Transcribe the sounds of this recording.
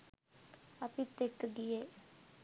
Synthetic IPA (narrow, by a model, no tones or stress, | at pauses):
əpĩt̪ekɡieː